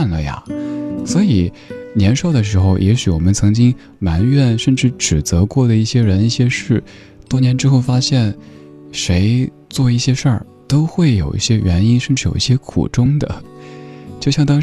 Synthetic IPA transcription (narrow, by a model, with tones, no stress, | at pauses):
nlə˩ja̰˩swɔ˧˥i˨˩˦ | njɛ˧˥nʂo˥˩ʊd̪ə˩ʂ̬ɻ̩˧˥xo˥˧ʊjʔɛ˧˥ɕy˨˩wɔ̰˨˩mə˦nt͡sʰɤ˧˥ŋt͡ɕi˥ŋ | ma˧˥nɥɛ˥˧nʂə˥˧nʈ͡ʂɻ̩˥˩ʈ͡ʂɻ̩˨˩t͡sɤ˧˥kwɔ˥˩d̪ə˩i˥˩ɕjɛ˥ɻə˧˥ni˥˩ɕjɛ˥ʂɻ̩˥˩ | t̪wɔ˥njɛ˧˥nʈ͡ʂɻ̩˥xo˥˩ʊfa˥ɕjɛ˥˩n | ʂe˧˥ɪ | t͡swɔ˥˧i˥˩ɕjɛ˥ʂə̰˞˥˩ | t̪o˥ʊxwe˥˩ɪjo˨˩ʊʔḭ˥˩ɕjɛ˥ɥɛ˧˥ni˥nʂə˥˧nʈ͡ʂɻ̩˥˩jo˨˩ʊi˥˩ɕjɛ˥kʰṵ˨˩ʈ͡ʂʊ˥ŋd̪ə̰˨ | t͡ɕjo˥˧ʊɕjɑ˥˩ŋt̪ɑ˥ŋ